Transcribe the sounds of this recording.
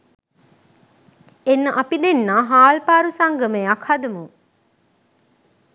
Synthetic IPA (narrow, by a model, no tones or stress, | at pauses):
enːɐʔɐpid̪enːaːɦaːlpaːɾusaŋɡəmeɐkʰhɐd̪ɐmu